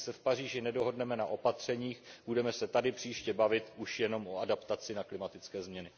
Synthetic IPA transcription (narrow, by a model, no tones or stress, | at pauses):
sɛfpar̝iːʒɪnɛdo̞ɦo̞dnɛmɛnaʔo̞pat̪r̝̥ɛɲiːxb̥udɛmɛsɛt̪adɪpr̝̥iːʃcɛbavɪt̪uʃjɛno̞mo̞adapt̪at͡sɪnaklɪmat̪ɪt͡skɛːzmɲɛnɪ